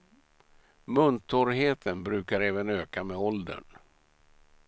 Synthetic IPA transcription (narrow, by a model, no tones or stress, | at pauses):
mɵnt̪ʰɔɾɦeːt̪ʰənbɾʉ̟ːkaɾɛːvənøːkamɛɔld̪ə̰ɳ